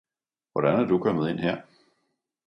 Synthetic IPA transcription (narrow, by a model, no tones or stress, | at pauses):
ʋɒɾ̥ænæɐd̥ukʰɒ̽mð̞̩ˠe̝n̰ɦeɐ̰